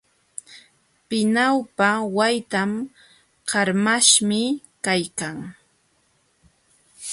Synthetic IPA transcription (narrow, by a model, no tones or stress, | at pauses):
pɪnawpawajt̪am | ɢɑɾmaʃmɪ | kajkaŋ